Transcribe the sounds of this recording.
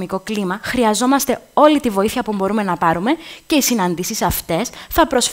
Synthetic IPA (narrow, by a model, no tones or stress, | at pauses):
miko̞klimɐxɾiɐzo̞mɐst̪e̞o̞lit̪ivo̞iθiçɐpubo̞ɾume̞nɐpɐɾume̞ce̞isinɐnd̪isisɐft̪e̞sθɐpɾo̞sf